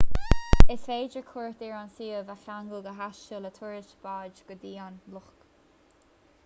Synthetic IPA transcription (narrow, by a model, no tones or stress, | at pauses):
ɪsveːd͡ʒəkʰuɹt̪iːɹansiːəvaɬaŋɡəlɡəɦaʃt͡ʃələt̪ʰuɹɪʃb̥aːd͡ʒɡ̥əd̪iːanlʊxk